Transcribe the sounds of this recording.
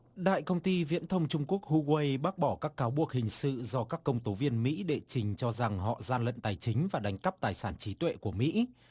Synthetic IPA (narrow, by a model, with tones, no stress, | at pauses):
ɗa̰ː˧˨jkə˧wŋ͡mt̪i˧vḭ˧˥ənt̪ʰə˧wŋ͡mt͡ɕʊ˧ŋ͡mku˦˥ək̚hu˧ɣwe˧jɓaː˦˥k̚ɓɔ˧˩kaː˦˥kːaː˨˦wɓu˨˩ək̚hï˨˩ŋ̟sɨ̰˧˨zɔ˧kaː˦˥kːə˧wŋ͡mt̪o˨˦vi˧ənmḭ˧˥ɗḛ˧˨t͡ɕï˨˩ŋ̟t͡ɕɔ˧za˨˩ŋɦɔ̰˧˨zaː˧nlə̰˧˨nt̪aː˨˩jt͡ɕï˨˦ŋ̟vaː˨˩ɗa˨˦jŋ̟kə˦˥p̚t̪aː˨˩jsaː˧˩nt͡ɕi˨˦t̪wḛ˧˨ku˧˩əmḭ˧˥